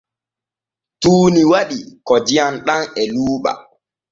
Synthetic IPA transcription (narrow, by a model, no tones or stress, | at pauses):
tuːniwaɗikɔdijanɗaŋɛluːɓa̰